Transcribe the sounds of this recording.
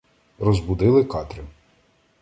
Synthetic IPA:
rɔzbud̪ɪlˠɪkɑt̪ɾʲʊ

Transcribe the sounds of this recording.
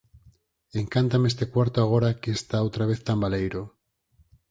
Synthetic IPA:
eŋkant̪ameest̪e̞kwaɾt̪oaɣ̞oɾakeːst̪aowt̪ɾaβ̞eθt̪ambalejɾo

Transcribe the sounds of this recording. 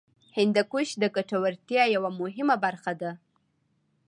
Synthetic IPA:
hɪnd̪akuʃd̪əkaʈawaɾt̪jɑjawamʊɦɪmabaɾxad̪a

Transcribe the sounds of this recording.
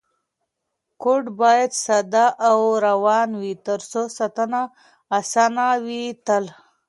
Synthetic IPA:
koɖbɑjad̪sad̪ɑʔawɾawɑnwit̪əɾsosat̪anaː | sanawit̪əl

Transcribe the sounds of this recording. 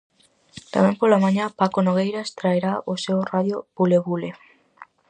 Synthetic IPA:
t̪amɛ̃ŋpolamaɲapakonoɣ̞ejɾaest̪ɾaeɾaosewraðjobuleβule

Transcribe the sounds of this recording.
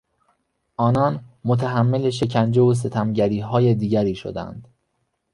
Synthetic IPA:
ʔɒːnɒːnmot̪ʰæɦæmːeleʃe̞cʰænd͡ʒevos̬e̞t̪ʰæmɟæɾiːɦɒːje̞d̪iːɟæɾiːʃo̰d̪æ̰nd̪̥

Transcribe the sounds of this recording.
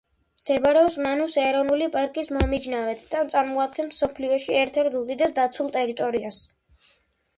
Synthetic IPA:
mt̪ʰɛbaɾɛɔsmanusɛɾɔnulipʼaɾkʼismɔmid͡ʒnavɛt̪ʰd̪̥at̪sʼaɾmɔak̪̚t̪ʰɛmsɔpʰliɔʃiɛɾt̪ʰɛɾt̪d̪ud̪id̪asd̪at̪sʰulˠt̪ʼɛɾit̪ʼɔɾias

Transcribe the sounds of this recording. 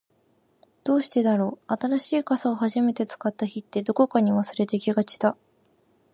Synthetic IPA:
d̪̥o̞ːɕi̥t̪e̞d̪aɾo̞ːat̪aɾaɕiːkasao̞ɦaʑime̞t̪e̞t͡sɨ̥kat̪ːaçit̪ːe̞d̪o̞ko̞kaɲ̟iβasɨɾe̞t̪e̞kʲiɡat͡ɕi̥d̪a

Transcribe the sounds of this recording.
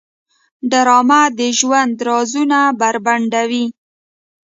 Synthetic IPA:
ɖaɾɑmad̪əʒwand̪ɾɑzunabaɾbaɳɖawi

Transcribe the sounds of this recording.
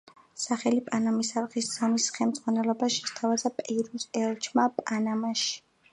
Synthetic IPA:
saχɛlipʼanamisaɾʁisz̥ɔmisχɛmd̪z̥ʁwanɛlɔbaʃi̥st̪ʰavazapʼɛɾusɛlˠt͡ʃʰmapʼanamaʃi̥

